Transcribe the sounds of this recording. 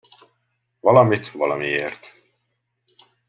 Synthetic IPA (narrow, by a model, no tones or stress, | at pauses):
vɑlɑmit̪vɑlɑmiert̪